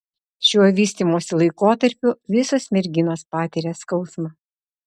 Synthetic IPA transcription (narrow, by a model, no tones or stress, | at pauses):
ʃʲuɔʋʲiːsʲt̪ʲiːmoːsʲɪlˠɐɪkoːt̪ɐɾʲpʲʊʋʲɪsoːsmʲɛɾʲɡʲɪnoːspɑːt̪ʲiːɾʲeːskɒʊsmɑː